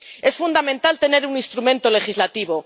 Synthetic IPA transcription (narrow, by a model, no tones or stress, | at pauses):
e̞sfund̪amẽnt̪alt̪e̞ne̞ɾuninst̪ɾumẽ̞nt̪ole̞xizlat̪iβ̞o